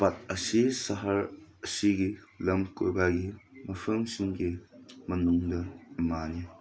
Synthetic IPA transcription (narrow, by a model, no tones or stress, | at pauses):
pɐt̚ɐsisɐɦɐɾɐsiɡilɐmkṵɾbaɡimɐpʰɐŋsiŋɡimɐnuŋdɐmani